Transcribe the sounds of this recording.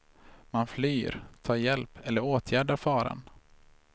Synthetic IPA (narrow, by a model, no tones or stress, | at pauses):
manflyːɾt̪ʰɑːɾjɛlpʰɛlːəɾoːt̪ʰjæːɖaɾfɑːɾa̰n